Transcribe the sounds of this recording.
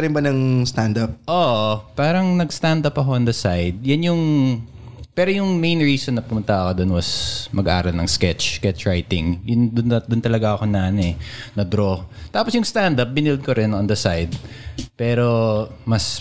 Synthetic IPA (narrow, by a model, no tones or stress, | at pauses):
ɾɪnbɐnɐŋst̪and̪ɐp̚ʔoʔpaːɾɐŋnɐɡst̪and̪ɐpɐko̞ʔɐnd̪ɐsajd̪̚jɐnjʊŋ | pɛːɾojʊŋmẽjnɹiːsonːɐpʊmʊnt̪ɐɐkod̪onwɐsmɐɡɐʔa̰ːɾɐlnɐŋskɛt͡ʃkɛt͡ʃɹajt̪ɪŋjʊnd̪ʊnd̪ʊnt̪ɐlɐɡaʔɐko̞naːnɛnɐd̪ɾot̪aːposjʊŋst̪and̪ɐp̚bɪnɪld̪̚koɾɪnɔnd̪ɐsajd̪̚pɛːɾo̞mɐs